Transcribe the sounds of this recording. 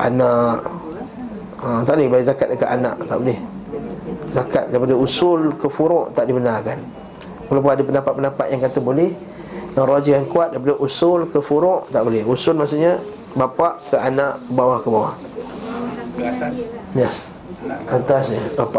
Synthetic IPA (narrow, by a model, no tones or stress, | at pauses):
ʔa̰naʔ | ət̪aʔlɪhbaiʔzakat̪̚dəkaʔ̪anã̰ʔt̪aʔbolɛh | zakat̪̚daɾipadəusʊlkəfuɾɔʔt̪aʔdibənakan | wəlap̬ʊnadapənapat̪̚pənapat̪̚jaŋkat̪əbolɛh | jaŋrɔd͡ʒihjaŋkuat̪̚daɾipadaʔusʊlkəfuɾʊʔt̪aʔbolɛhusʊlmas̬uʔɲa | bapaʔkəʔanaʔkəbawahkəbawah | jɛs | at̪asɲabapaʔ